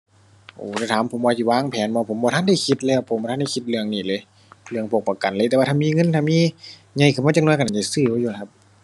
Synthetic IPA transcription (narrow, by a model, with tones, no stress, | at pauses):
ʔuː˧˩t̪aː˧˩t̪ʰaː˨˦mpʰo˨˩˦mbɔː˧si˧˩waː˧˥˨ŋpʰɛː˨˦nbɔː˧pʰo˨˦mbɔː˧a˧˥˨nda˧˩jkʰi˧t̪̚lɛː˧˩˨wpʰo˨˦mbɔ˧tʰa˧˥˨da˧˩jkʰi˧t̪̚lɯ˧əŋniː˧˩˨lɤː˧˦˨ | lɯ˧əŋpʰo˧˩k̚pa˧˩ka˨nlɤː˧˦t̪ɛ˧wa˧t̪ʰːnmiː˧˥˨ŋɤ˧˨nt̪ʰa˧˥˨miː˧˥˨ | ɲa˧˩jkʰːmː˧˩t͡ɕa˧ŋnu˧˨ka˨a˨˩t͡ɕa˧˩sɯː˧˩˨juː˧la˧kʰa˧p̚